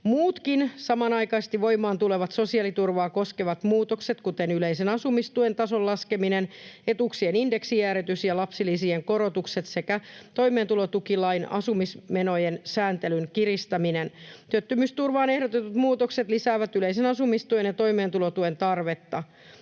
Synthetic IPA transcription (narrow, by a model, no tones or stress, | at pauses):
muːt̪kinsɑmɑnɑjkɑst̪iʋʋo̞imɑːnt̪ule̞ʋɑt̪so̞siɑːlit̪urʋɑːko̞skeʋɑt̪muːt̪okset̪kut̪enyleisenɑsumist̪uent̪ɑsollɑske̞minenet̪uksieninde̞ksiæːɾet̪ysjɑlɑpsilːˑisieŋko̞ɾo̞t̪ukse̞t̪se̞kæt̪o̞ime̞ːnt̪ulot̪ukilɑinɑ̰sumismenojensæːnt̪elynkirist̪ɑminent̪yøt̪ːymyst̪urʋɑːne̞hɾot̪et̪ut̪muːt̪okset̪lisæːʋæt̪yleisenɑsumist̪uenjɑt̪o̞imeːnt̪ulot̪uent̪ɑrʋe̞t̪ːɑ